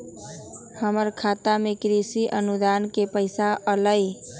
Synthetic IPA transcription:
həməɾkʰaːt̪amẽkɾisiʔənud̪aːnkepəɪsaʔələ

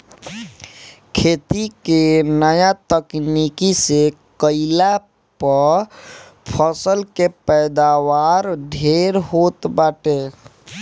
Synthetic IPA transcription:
kʰeːt̪ikenəjat̪əknikisekəɪla | pə | pʰəsəlkepɛjd̪awaːɾɖʱeːɾɦot̪baʈe

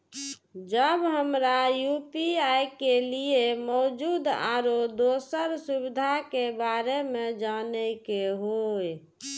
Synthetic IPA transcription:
d͡ʒəbɦəmɾajupiajkeliemɔd͡ʒud̪a̰ɾod̪osəɾsubid̪ʱakebaɾemed͡ʒanɛkeɦoj

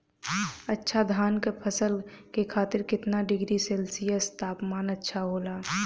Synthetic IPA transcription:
ətːʃʰad̪ʱaːnkepʰəsəlkekʰaːt̪ɪɾkɪt̪naɖɪɡɾiselsijəst̪aːpmaːnətːʃʰaɦoːlaː

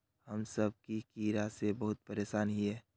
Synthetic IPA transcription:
həmsəb̚kikiɾasebəɦʊt̪̚pəɾeːsaːnɦiɦɛː

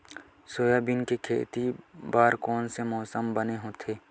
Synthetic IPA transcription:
soːjabinkekʰḛːt̪ibaːɾkɔːnsemɔːsəmbəneɦõt̪ʰeː

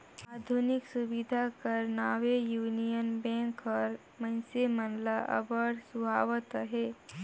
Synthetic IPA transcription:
aːd̪ʱʊnɪksʊbid̪ʱakəɾnaːʋejuːnijənbɛ̃ːŋkɔːɾ | mə̃nsemənlaʔɐ̰bəɽsʊbʱaːʋət̪əɦɛː

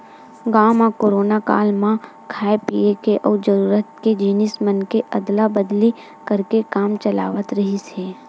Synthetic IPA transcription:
ɡaːmãkoːɾoːnaka̰ːlmã | kʰaːepiekeʔɔːd͡ʒəɾuːɾət̪ked͡ʒiːnɪsmənkeʔɐd̪labəd̪li | kəɾkekaːmt͡ʃəla̰ːʋət̪ɾɐɦiseː

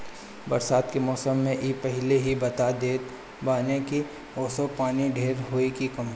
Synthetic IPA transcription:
bɐɾsaːd̪kemɔːsəmːẽʔiːpɛɦɪleɦibɐt̪ad̪eːt̪ | baːnẽki | oːsopaːniɖʱeːɾɦoːekikɐm

